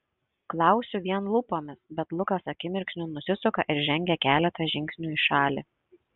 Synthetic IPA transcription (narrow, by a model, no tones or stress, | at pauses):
klˠɑˑʊsʲʊʋʲiɛnlˠʊpoːmʲɪsbʲɛt̪lˠʊkɐsɐkʲɪmʲɪɾʲkʲʃʲnʲʊnʊsʲɪsʊkɐʔɪɾʒʲɛŋʲɡʲɛkʲæːlʲɛt̪ɐʒʲɪŋʲksʲnʲuːɪʃɑːlʲi